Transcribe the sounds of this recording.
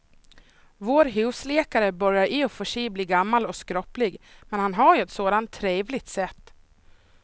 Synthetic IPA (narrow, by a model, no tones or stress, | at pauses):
voːɾɦʉːsleːkaɾəbœɾjaɾʔɪɔfœʂiːbliːɡamːalɔkskɾɔplɪɡmɛnhanɦaɾjɵɛt̪soːd̪ant̪ʰːɾeːvlɪɡt̪sɛt̪ː